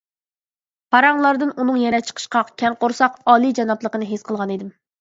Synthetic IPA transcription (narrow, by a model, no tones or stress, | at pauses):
pʰɑɾɑŋlˠɑɾd̪ɨnunɨŋjɛɾɛt͡ʃʰə̥qʰə̥ʃqʰɑkʲʰɛnqoɾsɑqɑːlˠid͡ʒɑnɑplˠəqənɨɦesqʰəlˠʁɑned̪ɪm